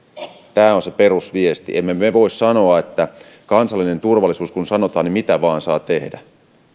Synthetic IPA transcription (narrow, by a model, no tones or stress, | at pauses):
t̪æːonseperusʋiest̪ḭʔemːemeʋoissɑno̞ɑet̪ːæ | kɑnsɑlːinent̪urʋɑlːˑisuːskunsɑnot̪ɑːnimit̪æʋɑːnsɑːt̪ehdæ̰